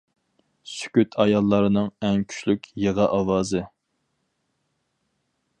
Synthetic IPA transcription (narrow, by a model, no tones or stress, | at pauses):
sy̥kʲyt̪ʰɑjɑlˠːɑɾɨnɨŋɛŋkʲʰy̥ʃlykʲjeʁɑʔɑwɑːzɨ